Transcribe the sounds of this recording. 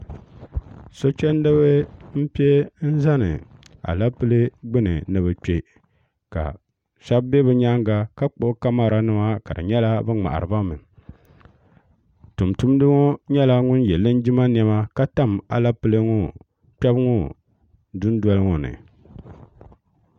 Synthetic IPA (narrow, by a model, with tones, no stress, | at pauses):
so˦t͡ʃɛ˦n˦dɨ˦βɨ˦m̩˦pi˦e˦n̩˦za˦nɨ̰˨a̰˨la˦pɨ˦lɨ˦ɡ͡bɨ˦nɨ̰˨nɨ˨βɨ˨k͡pe˦ | ka̰˨ | ʃa˦bbe˦bɨ˦ɲa˦ŋɡa˦ka˦k͡po˦˨˦ka˦ma˦ɾa˦nɨ˦ma˦ka˨dɨ̰˨ɲɛ˦la˦bɨ˦ŋ͡ma̰˨ʔa̰˨ɾɨ˨ba˦mɨ˨n | tu˨mtu˦m˦dɨ˦ŋɔ˦ɲɛ˦la˦ŋʊ˦njɛ˨lɨ˦n˦d͡ʒi˦ma˦n˦ɛ˦ma˦ka˦ta˦m˨a̰˨la˦pɨ˦lɨ˦ŋʊ˦ | k͡pɛ˦bŋɔ˦ | du˦n˦dɔ˦lɨ˦ŋɔ˨nɨ̰˨